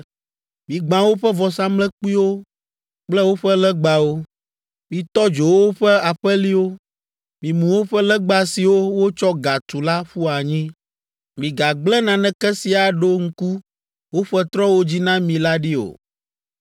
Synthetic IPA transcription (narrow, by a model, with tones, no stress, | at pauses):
mĩ˨ɡ͡bã˨wo˦ɸɛ˦vɔ˨sã˦mlɛ̃˦k͡pi˦wo˦ | k͡plɛ˦wo˦ɸɛ˦lɛ˦ɡ͡ba˨wo˦ | mĩ˨t̪ɔ˦d͡ʒo˨wo˦wo˦ɸɛ˦a˨ɸɛ˦li˦wo˦ | mĩ˨mũ˨wo˦ɸɛ˦lɛ˦ɡ͡ba˦si˨wo˦wo˦t͡ʃɔ˦ɡa˨t̪u˨la˦ɸu˦a˨ɲĩ˦ | mĩ˨ɡa˨ɡ͡blɛ˦nã˨nɛ̃˦kɛ˦si˨a˨ɖo˦ŋ̩˦ku˦ | wo˦ɸɛ˦t̪ɾɔ̃˦wo˦d͡ʑi˦nã˦mĩ˨la˦ɖi˦o̰˨